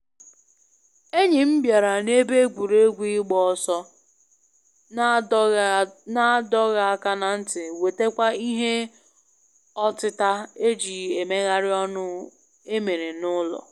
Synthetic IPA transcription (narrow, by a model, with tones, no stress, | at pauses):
e˦ɲɪ˨m̩˦bja˨ɾa˨ne˦be˦ɡʷu˨ɾe˦ɡʷi˦ɡ͡bɔ˦ɔ˨sɔ˦ | na˦dɔ˦ɣa˨a˦˨ka˦na˨n̩˦tɪ˨we˨te˦kʷa˦i˦ɦe˦ | ɔ˦tɪ˦ta˦e˦d͡ʒi˨e˨me˦ɣa˦ɾɪ˦ɔ˦nʊ˦ | e˦me˨ɾe˨nʊ˦lɔ̰˨